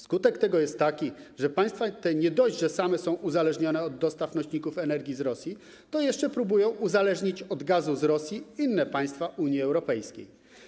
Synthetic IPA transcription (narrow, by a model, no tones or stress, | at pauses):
skut̪ɛkt̪ɛɡɔjɛst̪ːakʲiʐɛpaj̃st̪fat̪ɛɲɛd̪ɔjʑd͡ʑʐɛsamɛsɔ̃w̃ʔuzalɛʐɲɔnɛɔd̪ːɔst̪afnɔɕɲikufɛnɛɾɡʲizɾɔsʲji | t̪ɔjɛʂt͡ʂɛpɾubujɔ̃w̃ʔuzalɛʐɲit͡ɕɔd̪ɡazuzɾɔsʲjiinːɛpaj̃st̪faʔuɲjiɛwɾɔpɛjskʲḛj